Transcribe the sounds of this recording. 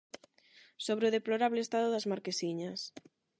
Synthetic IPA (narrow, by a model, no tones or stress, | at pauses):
soβɾeʊðeploɾaβlest̪aðʊðɐzmaɾkesiɲɐs